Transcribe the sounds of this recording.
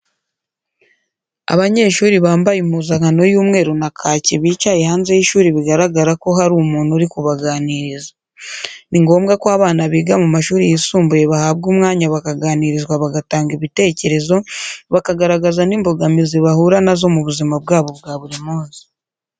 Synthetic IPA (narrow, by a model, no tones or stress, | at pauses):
a̰βaɲe̞ʃuːɾiβaːmbajimuzahano̞juːmŋe̞ːɾunakʰaːceβiːcajehaːnze̞jiʃuːɾiβiɡaɾaɡaɾako̞haɾuːmuːnhuɾikuβaɡaːniɾiza | niŋɡo̞ːmɡakoaβaːnaβiːɡamumaʃuːɾijisuːmbuje̞βahabɡuːmŋaːɲaβakaɡaːniɾizɡwaβaɡataːŋɡiβite̞ːce̞ɾe̞zo̞βakaɡaɾaɡazaniːmbo̞ɡamiziβahuɾanazo̞muβuzimabɡaːβo̞bɡaːβuɾimuːnzi̥